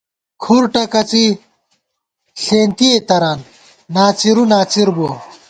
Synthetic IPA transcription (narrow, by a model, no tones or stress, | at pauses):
kʰuɾʈɐkɐt͡si | ɬeːnt̪iet̪ɐɾaːnː | aːt͡siɾunaːt͡siɾbo